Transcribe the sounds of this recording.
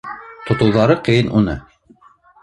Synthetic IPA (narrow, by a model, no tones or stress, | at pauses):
t̪ŏt̪ŏwðɑɾɤqɤ̆jɤnʔunɤ̰